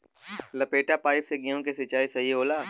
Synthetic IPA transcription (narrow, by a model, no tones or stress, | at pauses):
lɐpeːʈapaːɪpseɡiõkesɪt͡ʃaːisɐieɦoːlaː